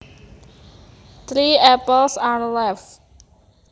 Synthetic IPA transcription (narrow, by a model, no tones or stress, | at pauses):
t̪ʰɾiːɛpəlsãnlɛf